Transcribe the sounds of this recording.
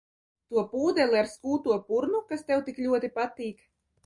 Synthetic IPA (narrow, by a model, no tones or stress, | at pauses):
t̪uɔpuːd̪ʲɛlʲˠiaɾskuːt̪uɔpuɾnukast̪ɛwt̪iklʲuɔt̪ipat̪iːk